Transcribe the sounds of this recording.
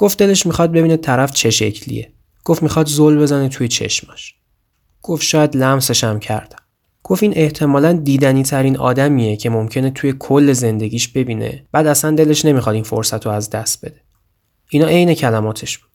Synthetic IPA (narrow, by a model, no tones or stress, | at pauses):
ɡ̥o̞ft̪d̪e̞le̞ʃmixɒd̪̚be̞biːnet̪ʰæɾæft͡ʃʰe̞ʃe̞̰cʰlḭjḛ | ɡ̥ofmixɒd̪zolbe̞zænet̪ʰuje̞t͡ʃʰe̞̰ʃmæʃ | ɡ̥ofʃɒːjæd̪læmse̞ʃæmcʰæ̰ɾd̪̥æ̥m | ɡ̥ofinʔe̞ht̪ʰe̞mɒːlænd̪iːd̪æniːt̪ʰæɾiːnɒ̰ːd̪æmije̞cʰe̞momcʰe̞ne̞t̪ʰuje̞kʰolːe̞ze̞nd̪e̞ɟʲiːʃbe̞biːnḛb̥æːd̪æsænd̪e̞le̞ʃne̞mixɒd̪info̰ɾsæt̪ʰoæzd̪æst̪̚be̞d̪e̞ | inɒːʔe̞jne̞cʰælæmɒːt̪ʰe̞ʃbud̪̥